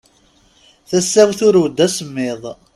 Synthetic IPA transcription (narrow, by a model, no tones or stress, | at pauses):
θæsːæwθʊɾud̪ːæsəmːɪðˤ